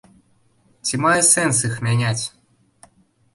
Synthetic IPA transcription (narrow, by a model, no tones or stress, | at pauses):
tʲimajɛsɛns̬ɨxmʲenʲatʲ